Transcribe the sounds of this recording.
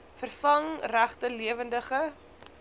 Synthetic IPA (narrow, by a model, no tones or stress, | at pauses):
fərfɐŋræχtəliəvəndəχə